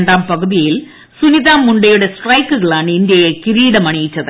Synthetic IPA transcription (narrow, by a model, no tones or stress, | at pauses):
ɳɖaːmpɐɣuðijil | suniðaːmːuɳɖɐjuɽe̞sʈrɐjkːuɣɐɭaːɳɨind̪jɐjekiɾiːɽɐmɐɳijit͡ɕːɐðɨ